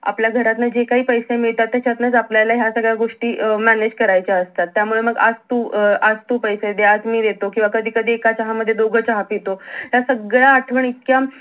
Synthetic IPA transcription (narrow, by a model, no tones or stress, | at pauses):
a̰pljaɡʱəɾat̪nad͡ʑekaɦiːpəjsemiɭt̪at̪ːjat͡ɕat̪nəd͡zapljalaɦjasəɡɭjaɡoʂʈiːmæned͡ʑkəɾajt͡ɕaəst̪at̪ːjamuɭeməɡad͡zt̪uːad͡zt̪upəjsed̪eat̪miːd̪et̪okĩw̃ʋakəd̪ʱiːkəd̪ʱiːekat͡ɕaɦaməd̪ʱːjed̪oɡʱət͡ɕaɦapet̪oɦjasəɡɭjaːʈʰʋəɳit̪̚kja